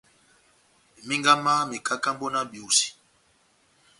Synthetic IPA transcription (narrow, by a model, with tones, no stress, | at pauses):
mi˦ŋɡa˦ma˦mi˨ka˦ka˦mbo˦na˦bi˨u˨si̥˨